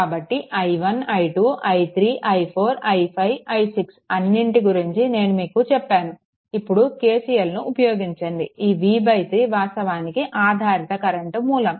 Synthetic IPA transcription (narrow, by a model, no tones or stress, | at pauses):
kaːbɐʈːiʔɐjʋɐnɐjʈuːʔɐjt̪ʰɾiːʔɐjpʰo̞ːɾɐjpʰɐjʋɐjsiksɐnːiɳʈiɡuɾiɲt͡ʃine̞ːnumiːkut͡ʃɛpːaːnu | ipːuɽuke̞ːsijɐlnuʔːpɐjo̞ːɡiɲt͡ʃɐnd̪iiːʋiːbɐjt̪ɾiːʋaːst̪ɐʋaːnikiʔaːd̪ʱaːɾit̪ɐkɐɾɐɳʈmuːlɐm